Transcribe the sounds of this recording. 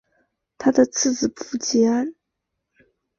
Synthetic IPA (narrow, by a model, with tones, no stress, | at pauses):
t̪ʰa˥d̪ə˨t͡sʰɹ̩˥˩t͡sɹ̩˨˩u˥˩t͡ɕi˧˥a˥n